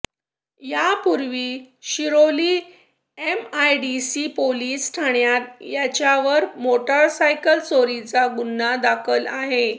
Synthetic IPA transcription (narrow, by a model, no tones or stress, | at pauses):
japuɾʋiː | ɕiɾoliː | emajɖisipoliːsʈʰaɳjat̪̚jat͡ɕjaʋəɾmoʈəɾsajkəlsoɾit͡saɡunːad̪akʰəlaɦe